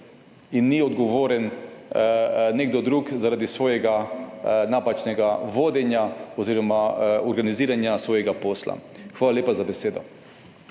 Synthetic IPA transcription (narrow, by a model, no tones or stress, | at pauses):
inːiɔd̪ɡɔʋoːɾɛn | neɡ̚d̪ɔd̪ɾuːkzaɾad̪isʋoːjɛɡa | naːpat͡ʃnɛɡaʋoːd̪ɛnjaɔziːɾɔmaɔɾɡaniziːɾanjasʋoːjɛɡapoːsla̰xʋaːlaleːpazabɛseːd̪ɔ̰